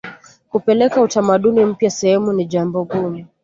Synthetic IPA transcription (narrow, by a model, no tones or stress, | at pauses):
kupɛlɛkautamaɗunim̩pjasɛhɛmuniʄambɔɡumu